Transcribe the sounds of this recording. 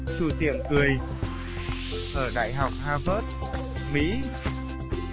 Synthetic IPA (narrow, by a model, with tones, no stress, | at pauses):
su˧˩t̪ḭ˧˩əmkɨ˨˩əj | ʔəː˧˩ɗa̰ː˧˨jɦa˨˩wk͡p̚haː˧vəː˦˥t̚ | mḭ˧˥